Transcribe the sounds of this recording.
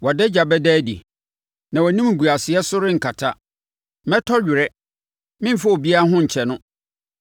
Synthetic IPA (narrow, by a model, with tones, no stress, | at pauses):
wɔ˨dɛ˦d͡ʑa˨bɛ˦dɛː˦dḭ˨ | nã˨wɔ˨nĩ˦m̩˨ɡu˨a˨sɪ˨ɛ˦sʊ˦ɾɪ̃˦ŋ̩˨kʰa˨tʰa˦ | mɛ˦tʰɔ˦ɥᶣɪ˨ɾɛ˦ | mɪ̃˦˨fa˦o˨bi˦a˦ɦʊ̃˦ɲ̩˨t͡ɕʰɛ˨nʊ̃˦